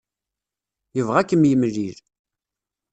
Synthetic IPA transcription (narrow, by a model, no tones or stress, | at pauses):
jəvʁækːəmjəmliɾ